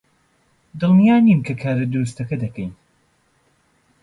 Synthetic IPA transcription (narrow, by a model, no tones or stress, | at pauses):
d̪ɨlˠmijaːnimkʰɐkʰaːɾɐd̪uɾust̪ʰɐkɐd̪ɐkɐjn